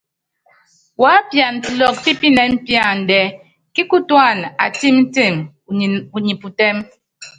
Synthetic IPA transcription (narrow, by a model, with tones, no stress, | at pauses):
wa˨˦pja˨ntlɔ˨k̚pi˦pi˦nɛ˨m̩˦pja˦˨n̩˨dɛ˨ | ki˦ku˦twa˦˨na̰˨ti˦mn̩˦ti˦˨m˨ | u˨ɲi˨pu˨tɛ˦m